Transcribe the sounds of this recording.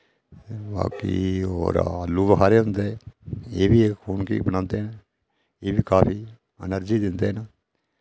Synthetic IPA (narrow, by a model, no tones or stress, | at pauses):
ba̰ːkḭo̰ːɾalːuːʋəɦaːɾeːɦʊnd̪e | eːbʱiekʰuːnkḭːbənãːnd̪eɦɛn | eːbʱiːkaːpʰiː | ə̰nəɾd͡ʒiːd̪ɪnd̪eɦɛn